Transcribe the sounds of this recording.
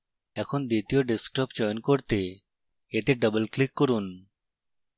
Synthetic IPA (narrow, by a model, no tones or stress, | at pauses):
ɛkʰond̪it̪ijoɖeskʈəpd͡ʑɔjonkoɾt̪e | et̪eɖəbəlklikːoɾun